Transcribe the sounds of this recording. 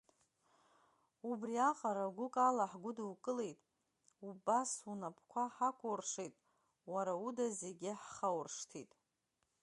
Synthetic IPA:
ubriaqʼaɾaɡʷʊkʼalaħɡʷʊdawkʼɨle̞jtʼ | ubasunapʰkʷʰaħakʷʰʼorʂejtʼ | waɾaudazeɡʲɪħχawrʂtʰitʼ

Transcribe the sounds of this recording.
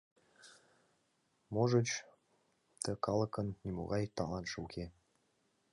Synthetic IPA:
moʒət͡ɕ | t̪əkɑlˠɤ̆kənːʲimo̰ɣɑjt̪ɑlɑnʒəukʰʲe

